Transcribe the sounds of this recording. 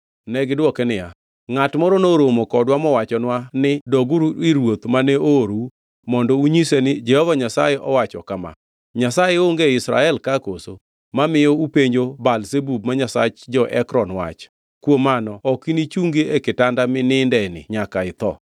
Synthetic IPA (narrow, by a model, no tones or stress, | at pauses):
nɛɡɪdwɔkɛnɪja̰ | ŋatmɔɾɔnoɾomokɔdwamɔwat͡ʃɔnwanɪdɔɡuɾiɾwot̪manɛoɾu | mɔndɔuɲisenɪd͡ʒɛhɔvaɲasajɛʔɔwat͡ʃɔ̰kama̰ | ɲasajeoŋɡeɪsɾa̰ɛlkakoso | mamɪjɔupeɲd͡ʒobalsebub̚maɲasa̰t͡ʃd͡ʒɔʔɛkɾɔnwa̰t͡ʃ | kwomanɔɔkinit͡ʃuŋɡeekɪtandamɪnɪndɛnɪ̰ɲakaɪt̪ɔ̰